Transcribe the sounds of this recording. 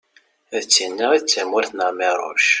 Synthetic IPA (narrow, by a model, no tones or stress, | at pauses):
ðt͡sːinːəʁiðt͡sːæmʊɾθnəʁmɪɾˤʊ̰ʃ